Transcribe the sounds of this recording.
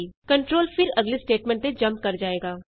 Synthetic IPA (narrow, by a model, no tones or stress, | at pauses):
kəɳʈɾoːlpʰɪɾəɡlisʈeːʈmɛ̃ːɳʈt̪ed͡ʒə̃mp̚kɐɾd͡ʒaːeːɡaː